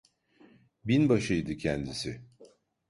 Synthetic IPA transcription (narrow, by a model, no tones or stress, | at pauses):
binbaʃɯjd̪ɯcʰɛnd̪isɪ